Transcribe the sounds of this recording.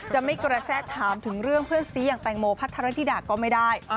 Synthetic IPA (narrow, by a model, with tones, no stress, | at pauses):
t͡ɕa˨˩ma˥˩jkɾa˧sɛː˥˩t̪ʰːaː˩˦mt̪ʰɯ˩˦ŋɾɯ˥˩əŋpʰɯ˥˩ənsiː˨˦jaː˨˩ŋt̪ɛː˨˩ŋmoː˧pʰa˦˥t̪ʰːa˧ɾa˦˥t̪ʰiː˥daː˨˩k̚kːɔː˥˩ma˥˩jdaː˥˩j